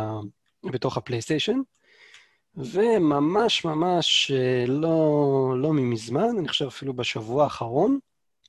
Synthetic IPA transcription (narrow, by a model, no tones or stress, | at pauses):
beto̞χhaplejst̪eʃo̞n | ve̞mamaʃmamaʃelolo̞mimizmanniχo̥ʃevafilubeʃavuaːχaʁo̞n